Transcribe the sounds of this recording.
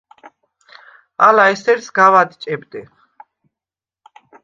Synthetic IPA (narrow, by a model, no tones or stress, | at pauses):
alaɛst̪ʰɛɾt̪sɡavad̪t͡ʃʼɛbd̪ɛ